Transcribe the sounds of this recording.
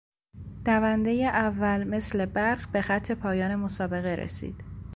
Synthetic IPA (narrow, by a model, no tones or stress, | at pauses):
d̪̥ævænd̪e̞jeʔævːælme̞sle̞bæɾɢbe̞xæt̪ʰːe̞pʰɒːjɒːne̞mosɒːbe̞ɣe̞ɾḛsḭːd̪̥